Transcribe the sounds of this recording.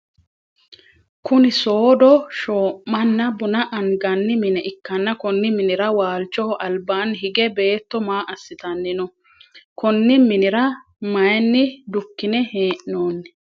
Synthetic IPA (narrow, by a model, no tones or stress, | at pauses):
kʊnɪso̞ːd̪ɔʃoːʔmɐnːɐbʊnɐʔɐŋɡɐnːɪmɪnɛʔɪkːɐnːɐkɔnːɪmɪnɪɾɐwaːlt͡ʃːɔʔɐlbaːnɦɪɡɛbe̞ːt̪ːɔmaːʔɐsːɪt̪ɐnːɪnɔ | kɔnːɪmɪnɪɾɐ | mɐjnːɪd̪ʊkːɪnɛheːʔnoːnːɛ̥